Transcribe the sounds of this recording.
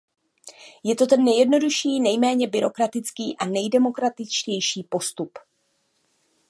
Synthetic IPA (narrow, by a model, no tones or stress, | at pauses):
jɛt̪o̞t̪ɛnːɛjɛdno̞duʃiːnɛjmɛːɲɛbɪɾo̞kɾat̪ɪt͡skiːʔanɛjdɛmo̞kɾat̪ɪt͡ʃcɛjʃiːpo̞st̪up